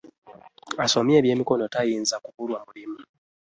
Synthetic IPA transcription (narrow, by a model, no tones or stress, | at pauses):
aso̞mje̞ːβje̞ːmiko̞no̞tajiːnzakuβulwamulimu